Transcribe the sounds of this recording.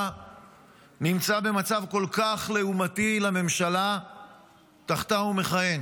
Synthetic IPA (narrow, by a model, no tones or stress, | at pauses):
nimt͡sabe̞mat͡savko̞lkaχle̞umatilame̞mʃala | taχt̪anume̞χaje̞n